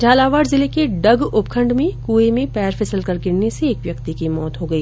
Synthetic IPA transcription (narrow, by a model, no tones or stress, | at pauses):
d͡ʒaːlaːʋaːɖzɪlekeɖɐɡʊpkʰə̃ɳɖmẽkuːemẽpɛːɾfʰɪsəlkɐɾɡɪɽneseːkʋjɐkt̪ikimɔːt̪ɦoɡɐiː